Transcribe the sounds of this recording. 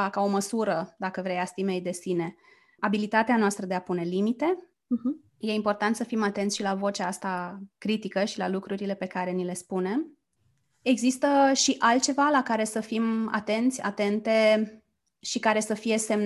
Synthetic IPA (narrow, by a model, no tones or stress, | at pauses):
kao̞məsuɾəd̪akəvɾejast̪ime̞jd̪e̞sine̞ | abilit̪at̪eanoast̪ɾəd̪e̞apune̞limit̪e̞ | je̞impo̞rt̪ant̪səfimat̪e̞nt̪sʃilavo̞t͡ʃaast̪akɾit̪ikəʃilalukɾuɾile̞pe̞kaɾe̞nile̞spune̞m | e̞ɡzist̪əʃiʔalt̪̚t͡ʃe̞valakaɾe̞səfima̰t̪e̞nt̪sʲa̰t̪e̞nt̪e̞ | ʃikaɾe̞səfije̞se̞m